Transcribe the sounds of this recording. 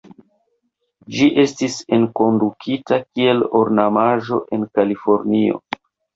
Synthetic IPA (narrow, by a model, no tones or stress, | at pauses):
d͡ʒiʔe̞stise̞nko̞ndukʰitakie̞lo̰ɾnamaʒo̞̰ʔe̞nkalifo̞ɾnio̞̰